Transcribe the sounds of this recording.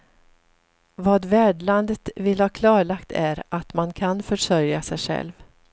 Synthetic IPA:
vɑːd̪væːɖɭand̪ət̪vɪlhɑːkʰlɑːɭakt̪ʰæɾʔat̪mankʰanfœʂœɾjasɛjɧɛ̰lv

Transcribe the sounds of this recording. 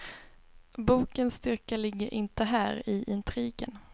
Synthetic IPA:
buːkənst̪ʏɾkalɪɡːəɾʔɪnt̪əɦæːɾɪʔɪnt̪ʰɾiːɡə̰n

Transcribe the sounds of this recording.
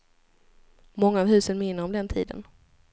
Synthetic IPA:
mɔŋːaɔːvɦʉ̟ːsənmɪnːəɾɔmd̪ɛnt̪ʰḭːd̪ə̰n

